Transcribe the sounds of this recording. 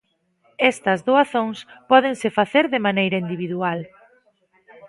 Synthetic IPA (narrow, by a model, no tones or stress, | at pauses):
ɛst̪ɐzðoaθõŋspɔð̞eŋsɪfaθeɾðɪmanejɾɐind̪iβiðual